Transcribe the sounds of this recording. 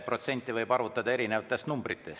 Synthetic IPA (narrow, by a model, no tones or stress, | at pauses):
pro̞t̪se̞nʲt̪ːˑivɤjbɑɾvut̪ːˑɑd̪̥ɑe̞ɾine̞vɑt̪ːˑe̞st̪numbɾit̪ːˑe̞s